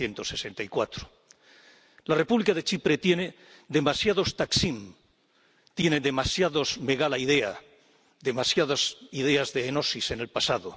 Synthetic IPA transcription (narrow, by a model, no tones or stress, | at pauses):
je̞nt̪o̞se̞se̞nt̪aikwat̪ɾo̥ | lare̞puβlikaðe̞t͡ʃipɾe̞t̪je̞ne̞ | ðe̞masjaðo̞st̪aksim | t̪je̞neðe̞masjaðo̞zme̞ɣalaið̞e̞a | ðe̞masjaðosiðe̞azðeːno̞sisene̞lpasaðo